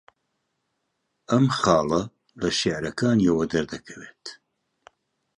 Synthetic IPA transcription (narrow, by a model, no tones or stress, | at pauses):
ɐmχɑːlɐ | lɐʃeʕɾɐkʰaːnjɛwɐd̪ɐɾd̪ɐkʰɐweːt̪